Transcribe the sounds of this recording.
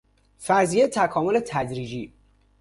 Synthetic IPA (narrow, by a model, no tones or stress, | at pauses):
fæɾzijet̪ʰækʰɒːmolet̪ʰæd̪ɾiːd͡ʒiː